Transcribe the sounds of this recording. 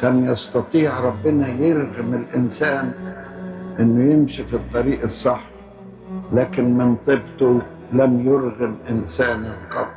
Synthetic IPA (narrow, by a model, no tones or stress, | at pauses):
kaːnjɑst̪ɑt̪ˤiːʕɾˤɑbːɪnajɪɾɣɪmɪlʔɪnsaːn | ʔɪnːʊjɪmʃifit̪ˤːɑɾiːʔɑsˤːɑħ | laːkɪnmɪnt̪ˤɨbt̪ʊ | lamjʊɾɣɪmʔɪnsaːnɪlqɑd̪ˤ